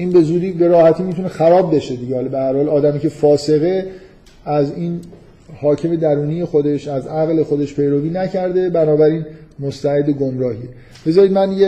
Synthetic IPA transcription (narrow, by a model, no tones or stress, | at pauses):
ʔiːnbe̞zuːd̪iːbe̞ɾɒːhæt̪ʰiːmit̪ʰunexæɾɒːbbeʃed̪iɟehɒːlbehæɾhɒːlɒːd̪æmiːcʰe̞fɒːse̞ɣe̞ | æziːn | hɒːcʰe̞me̞d̪æɾuːnije̞xo̞d̪e̞ʃæzæɣle̞xo̞d̪eʃpʰe̞jɾoviːnæcʰæɾd̪e̞bænɒːbæɾiːnmost̪æed̪eɡomɾɒːhie | b̥e̞zɒːɾiːd̪mænd̪ije